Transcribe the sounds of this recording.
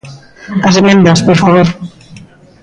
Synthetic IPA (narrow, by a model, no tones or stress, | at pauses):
asemẽnd̪aspoɾfaβoɾ